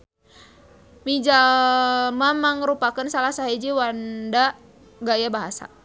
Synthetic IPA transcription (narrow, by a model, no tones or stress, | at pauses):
mid͡ʒa | mamaŋəɾupakənsalasaɦid͡ʒiwanda | ɡajabaɦasa̰